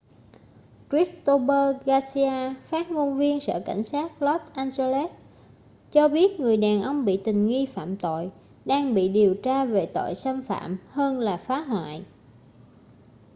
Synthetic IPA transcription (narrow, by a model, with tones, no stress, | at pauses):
kɹi˦˥st̪o˧ɓəː˧ɣaː˧si˧aː˧faː˦˥t̚ŋo˧nvi˧ənsə̰ː˧˨ka̰˧˩jŋ̟saː˦˥t̚lɔ˦˥t̚ʔaː˧nze˧lɛ˦˥t̚ | t͡ɕɔ˧ɓi˦˥ət̚ŋɨ˨˩əjɗaː˨˩nʔə˧wŋ͡mɓḭ˧˨t̪ï˨˩ŋ̟ŋi˧fa̰ː˧˨mt̪o̰˧˨j | ɗaː˧ŋɓḭ˧˨ɗi˨˩əwt͡ɕaː˧ve˨˩t̪o̰˧˨jsa˧nfa̰ː˧˨mhəː˧nlaː˨˩faː˨˦ɦwa̰ː˧˨j